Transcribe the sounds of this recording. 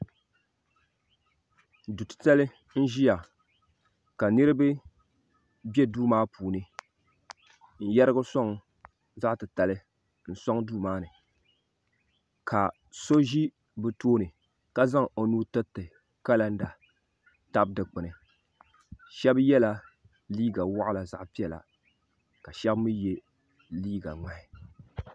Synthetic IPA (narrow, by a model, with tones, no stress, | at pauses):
du˨tɨ̥˨ta˦lɨ˦ | n̩˦ʒi˦ja˨ | ka˨nɨ˦ɾɨ˦bɨ˦ | bɛ˦duː˦maː˦pʰuː˨nɨ˦ | n̩˦jɛ˦ɾɨ˦ɡʊ˦sɔ˦ŋ˨ | za˦ʔtɨ˨ta˨lɨ˦ | n̩˦sɔ˦ŋ˦duː˦maː˦nɨ˨ | kʰa˨ | so˦ʒi˦ | bɨ˨toː˦nɨ˨ | ka˦za˦ŋo˨nuː˦tɨ˦tɨ˨ | ka˦la˦n̩˦da˨ | ta˦b̚dɨ˨k͡pɨ˨nɨ˨ | ʃɛ˦bjɛ˦la˦ | liː˦ɡa˨wa˦ʔʊ˦la˨za˦ʔpi˦ɛ˨la̰˨ | ka˨ʃɛ˦bmɨ˦je˦ | liː˦ɡa˨ŋa˨ɪ˨